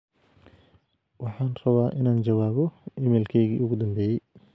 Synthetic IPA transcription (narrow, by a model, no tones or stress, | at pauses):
wɑħɑːnrɐβaːʔɪnaːnd͡ʒɐwaːβɔʔɪmɛːlkʰɛjɣḭːʊɣʊd̪ɐmbɛːjɛj